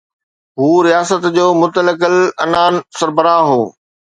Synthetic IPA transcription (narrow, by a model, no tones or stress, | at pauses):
ɦuːɾijaːsət̪d͡ʑoːmʊt̪ələkəlɐnaːnsɐɾbəɾaːɦoː